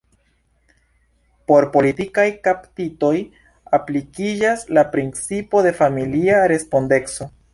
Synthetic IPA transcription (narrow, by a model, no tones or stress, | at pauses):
po̞ɾpo̞litikajkaptito̞j | aplikid͡ʒaslapɾint͡sipo̞de̞familiaɾe̞spo̞nde̞kso̞